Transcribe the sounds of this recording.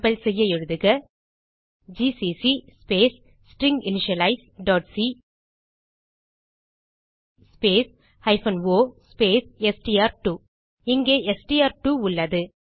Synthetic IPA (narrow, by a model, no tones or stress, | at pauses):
bɐlsɛjːɐɛɻɯðɯɣɐ | d͡ʒisisispeːs | sʈɾɪŋɡɪnɪʃɐlɐɪsɖɔːʈsi | speːs | hɐɪfɐnʋoːspeːsɛsʈiaːɾʈuː | ɪŋɡeːɛsʈiaːɾʈuʊɭːɐðɯ